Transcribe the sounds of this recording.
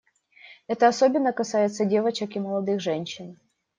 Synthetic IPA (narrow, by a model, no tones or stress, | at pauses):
ɛt̪əɐso̞bʲɪnːəkɐsajɪt̪sədʲe̞vət͡ɕɪkɪməlˠɐd̪ɨxʐɛnʲɕːɪn